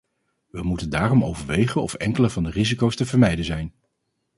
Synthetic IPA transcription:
ʋəmutəndaːrɔmo̰wvəɹʋejχənɔ̰fɛ̰ŋkələvɑndərizikowstəvəɹmɛjdəzɛjn

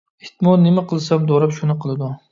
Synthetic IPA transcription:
ɪht̪mɒnnɪmaqʰɨlˠsamd̪ɒɾapʃʊnɪqʰɨlˠɪd̪ʊ

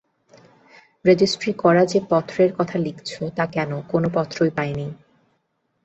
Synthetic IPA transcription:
ɾed͡ʑisʈɾikɔɾad͡ʑepɔt̪ʰːɾeɾkɔt̪ʰalikt͡ɕʰot̪akɛnokonopɔt̪ːɾojpaeni

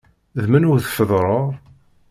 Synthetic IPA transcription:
ðmənʊɾθfəðˤɾˤoʁˤ

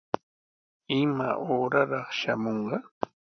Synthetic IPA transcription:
ɪma̰ʔoːɾaɾɑχʃamoɴɢɑ

